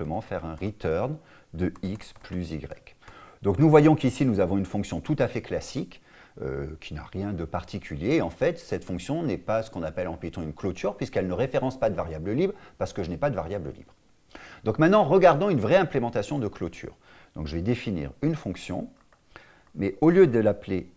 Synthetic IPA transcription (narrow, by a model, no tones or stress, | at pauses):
ləmɑ̃fɛʁɛ̃ʁit̪œʁn | d̪əiksplyziɡʁɛ̰kd̪̥ɔ̃knuvwajɔ̃kisinuzavɔ̃ynfɔ̃ksjɔ̃t̪ut̪afɛklasik | ø̰kʲʰina̰ʁjɛ̃d̪əpaʁt̪ikʲʰyljeːɑ̃fɛt̪sɛt̪fɔ̃ksjɔ̃nɛpasə̥kɔ̃napɛlɑ̃pit̪ɑ̃ynklot̪ʰyʁpɥiskɛlnəʁefeʁɑ̃spad̪əvaʁjabləlibʁpaʁsə̥kəʒənɛpad̪əvaʁjablə̰lḭbʁ | d̪ɔ̃kmɛ̃t̪nɑ̃ʁəɡaʁd̪ɔ̃ynvʁɛɛ̃plemɑ̃t̪asjɔ̃d̪əklot̪ʰy̰ːʁ | d̪̥ɔ̃kʒəvɛd̪efinḭʁynfɔ̃ksjɔ̰̃ | mɛʔoljød̪əlaple